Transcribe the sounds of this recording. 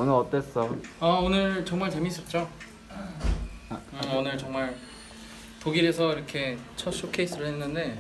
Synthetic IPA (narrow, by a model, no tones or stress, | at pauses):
onɯɾʌt͈es͈ʌaonɯɭt͡ɕʌŋmaɭt͡ɕe̞mis͈ʌt̚t͡ɕ͈o | ɯonɯɭt͡ɕʌŋmaɭ | poɡiɾe̞sʰʌiɾʌkʰe̞t͡ɕʰʌɕ͈ʰokʰeis͈ɯɾɯɭhenːɯnde̞